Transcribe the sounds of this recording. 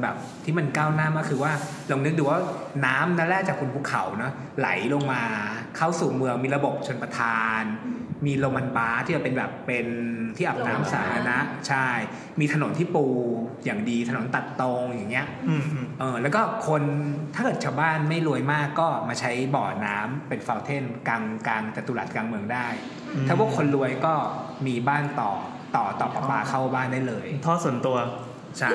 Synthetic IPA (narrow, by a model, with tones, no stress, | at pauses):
nbɛ̰ː˨˩p̚t̪ʰiː˥˩ma˧nkaː˥˩wnaː˥˩˨mːaː˥˩kʰɯː˧waː˥˩ | la˧nɯ˦˥k̚d̪uː˨˩˦waː˥˩naː˦˥mnaː˧˥˩ɾɛː˥˩k̚t͡ɕaː˨˩kʰːu˧npʰu˥˩kʰa̰˩˦wnɔ˦˥ | la̰˩˦jlo˧ŋmaː˧kʰa˥˩wsuː˨˩mɯ˧əŋmiː˧ɾa˧bo˨˩p̚t͡ɕʰo˧npɾa˧t̪ʰaː˧nmiː˧lo˧ŋma˧nbaː˦˥t̪ʰiː˥˩a˨˩pe˧nbɛ̰ː˨˩pːe˧nt̪ʰiː˥˩ʔa˨˩p̚naː˦˥msaː˩˦a˧na˦˥ʔt͡ɕʰa˥˩j | miː˧t̪ʰa˧no˩˦nt̪ʰiː˥˩puː˧jaː˨˩ŋdiː˧t̪ʰa˧no˩˦nt̪a˨˩t̪ːo˧ŋjaː˨˩ŋːi˦˥ɐ˧ʔɤː˧lɛː˦˥wkɔː˥˩kʰo˧nt̪ʰaː˥˩kɤː˨˩t̪̚t͡ɕʰaː˧wbaː˥˩nma˥˩jlu˧əjmaː˥˩kːɔː˥˩maː˧t͡ɕʰa˦˥jbɔː˨˩naː˦˥mpe˧nfa˧wt̪ʰe˥˩nka˧ŋkaː˧ŋt͡ɕ̪a˨˩t̪ːuː˧la̰ː˨˩t̪̚kaː˧ŋmɯ˧əŋdaː˥˩j̪ʰ | a˥˩wʰɔ˥˩kʰo˧nlu˧əjkɔː˥˩ | miː˧baː˥˩nt̪ɔ̰ː˨˩ | t̪ɔː˨˩t̪ɔː˨˩p̚ʔa˨˧˩paː˧kʰa˥˩wbaː˥˩ndaː˥˩jlɤː˧jt̪ʰɔː˥˩su˨˩ənt̪u˧ɐ | t͡ɕʰa˥˩